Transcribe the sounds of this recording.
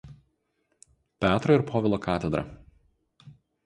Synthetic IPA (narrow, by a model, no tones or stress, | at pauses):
pʲæːt̪ɾoɪɾpʰoːʋʲɛlˠoːkʰɑːt̪ʲɛd̪ɾɐ̰